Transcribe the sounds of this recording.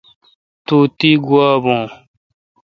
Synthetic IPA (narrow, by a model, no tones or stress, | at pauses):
t̪uːt̪iːɡuaːbõː